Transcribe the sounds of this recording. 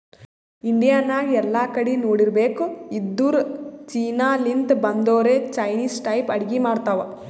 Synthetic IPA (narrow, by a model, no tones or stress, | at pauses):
iɳɖijaːnaɛlːaːkɐɽinoːɽiɾbeːkuid̪ːuɾt͡ʃiːnaːlint̪bɐnd̪oːɾeːt͡ʃɐjniːsʈɐjpɐɽiɡimaːɽt̪aːʋɐ